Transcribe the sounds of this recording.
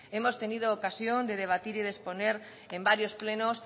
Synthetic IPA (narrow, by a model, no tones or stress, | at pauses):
emost̪enið̞oːkasjond̪eð̞eβ̞at̪iɾiðesponeɾ | embaɾjosplenos